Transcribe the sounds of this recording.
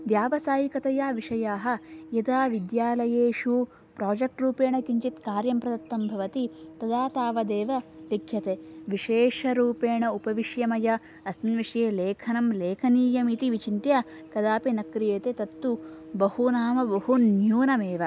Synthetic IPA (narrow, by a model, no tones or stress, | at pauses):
ʋjaːʋɐsaːjikɐt̪ɐjaːʋiʂɐjaːɦɐ̆jɐd̪aːʋid̪jaːlɐjeːʂu | pɾaːd͡ʒɐk̚ʈɾuːpeːɳɐkiɲt͡ʃit̪kaːɾjɐmpɾɐd̪ɐt̪ːɐmbʱɐʋɐt̪it̪ɐd̪aːt̪aːʋɐd̪eːʋɐlikʰjɐt̪eʋiʂeːʂɐɾuːpeːɳɐupɐʋiʂjɐmɐjɐ | ɐsnʋiʂɐjeːleːkʰɐnɐmleːkʰɐniːjɐmit̪iʋit͡ʃint̪jɐ | kɐd̪aːpinɐkɾijeːt̪et̪ɐt̪ːubɐhunaːmɐbɐɦunjuːnɐmeːʋɐ